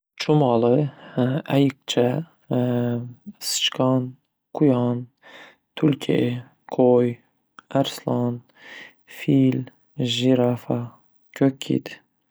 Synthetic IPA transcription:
t͡ʃʰʊmɑlˠɨ | ajɨq̚t͡ʃʰa | sɨ̥t͡ʃkʰɑn | qʰʊjɑn | t̪ʰʊlkʲʰḛ | qʰoj | æɾslˠɑn | fil | ʒiɾafa | kʲʰøkʲʰːḭd̪

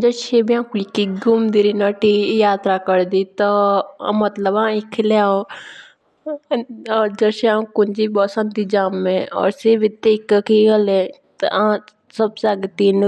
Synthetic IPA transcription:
d͡ʒəʃebiãːkikːiɡʊmd̪iɾinəʈijaːt̪ɾakəɽd̪it̪ɔmət̪ləbãːɪkʰːljaːo | ɔːɾd͡ʒəʃeãkʊnd͡ʒibɔsə̃nd̪id͡ʒaːmːẽɔ̰ːɾseʋɪt̪ːekkiɡəlẽ | t̪ã | səbsaɡt̪in

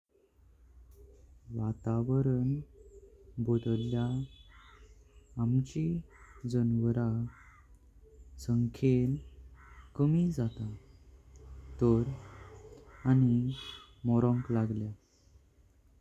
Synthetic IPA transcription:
ʋat̪aʋəɾən | bod̪əlja | mt͡ɕid͡zənʋəɾa | səŋkʰel | kəmid͡zat̪a | t̪əɾ | animɔɾɔ̃ŋklaɡlja

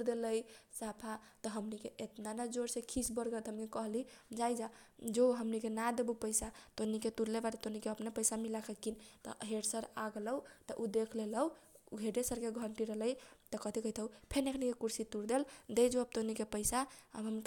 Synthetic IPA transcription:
uɾd̪eləjsapʰat̪ɔɦəmnikeʔet̪nanad͡ʒoɾsekʰisbəɾɡət̪ɦəmkekəɦlid͡ʒajd͡ʒad͡ʒoɦəmnikenad̪ebupəjsat̪oniket̪uɾlebaʈet̪onikeəpnepəjsamilakʰəkint̪ɔ̰ɦeɽsəɾaɡləwt̪ɔʔud̪ekʰleləɡʱeɖesəɾkeɡʱəɳʈiɾəɦləjt̪ɔkəd̪ʱikəit̪ʰəupʰenekʰnikekuɾsit̪uɾd̪eld̪ed͡ʒoəb̚t̪onikepəɪsaə̰bɦəm

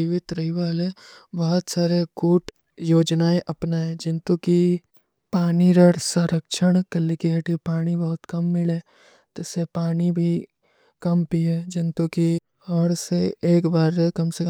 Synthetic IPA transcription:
iʋɪt̪ɾɐɦiʋaːle | bɐɦʊt̪saːɾekuːʈ | joːd͡ʒnaːeʔɐpnaːẽd͡ʒɪ̃nt̪uki | paːniɾəɽsɐ̃ɾəkʃəɽ̃kɐlːikiɦɐʈipaːɽ̃ibɐɦʊt̪kɐmːɪleː | t̪esepaːnibʱi | kɐmpied͡ʒɪnt̪uki | ɔːɾseeːkbaːɾkɐmsek

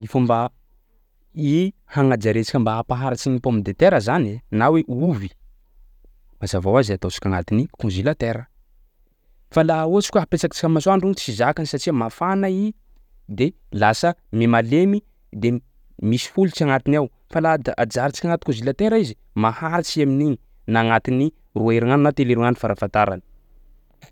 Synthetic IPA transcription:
ifumba | ihaŋad͡ʒaɾet͡si̥kʲambaːpaɦaɾit͡ʃinipomid̪et̪eɾəzanenaweʔuvi̥ | mazavawazat̪ot͡ʃi̥kʲaŋat̪inikõnzilat̪eɾə | falauat͡si̥kʲaɦapet͡ʃakḁt͡ʃi̥kamasoaɳɖ͡ʐunt͡sizakanisat͡ʃiəmafanai | d̪e | lasəmimalemi | d̪e | misi̥fulit͡ʃaŋat̪inaw | falad̪ʔad͡ʒaɾit͡ʃi̥kʲaŋat̪i̥kõnzilat̪eɾaizi | mahaɾit͡ʃiaminiɲi | naŋat̪ini | ruaiɾiŋanunat̪eliɾuŋanufaɾafant̪aɾa̰nə̥

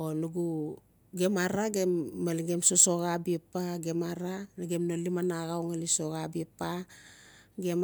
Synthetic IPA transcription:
onuɡu | ɡemaɾaɡe̞mːaliɡe̞msoso̞ɣabiepaɡe̞maɾaniɡemnolimanaɣawŋalisoɣabipa | ɡem

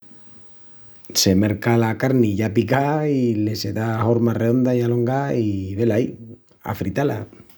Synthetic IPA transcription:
se̞meɾkalakaɾniʝapikaile̞se̞ðao̞ɾmare̞ðo̞nd̪ajalo̞ŋɡaiβe̞lai | a̰fɾit̪ala̰

